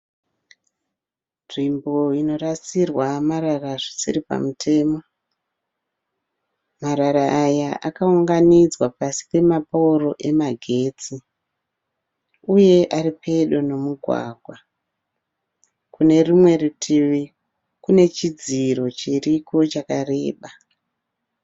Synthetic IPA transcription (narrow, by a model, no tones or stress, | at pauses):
ʐimbo̞ino̞rat͡sirwamaɾaraʐisiripa̰mutʰe̞ːmo | maɾaɾaʔːjaʔakauŋɡanid͡zwapasi̥pe̞mapauro̞ʔe̞maɡʱe̞t͡si | uje̞ʔaripʰe̞ɗo̞no̞muɡʱwa̰ːɡʱwa | kune̞rimwe̞rutʰiʋi | kune̞t͡ʃid͡ziro̞t͡ʃeriko̞t͡ʃakare̞ːɓa